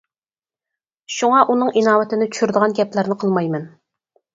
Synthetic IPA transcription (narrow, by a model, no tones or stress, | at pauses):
ʃuŋɑʔunɨŋʔinɑːwɛt̪ɪnɪt͡ʃʰy̥ʃyɾd̪əʁɑnɡʲɛplæɾnɪqʰəlˠmɑjmɛn